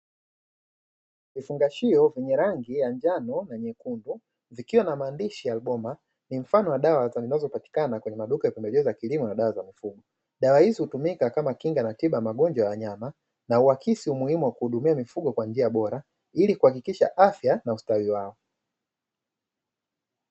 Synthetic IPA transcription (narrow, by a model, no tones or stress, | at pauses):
vifuŋɡaʃiɔvɛɲɛɾaŋɡijand͡ʒanɔnaɲɛkundu | vikiwanamaːndiʃijaːlɓɔma | nim̩fanɔwaɗawazazinazɔpati̥kanakwɛɲɛmaɗukajapɛmbɛʄɛzɔjakilimɔnaɗawazamifuɡɔ | ɗawahizihutumikakamakiŋɡanatiɓaamaɠɔnd͡ʒwajawaɲama | nauakʰisiumuhimuwakuhuɗumiamifuɠɔkwand͡ʒiaɓɔɾa | ilikuhakikiʃaʔafjanaustawiwaɔ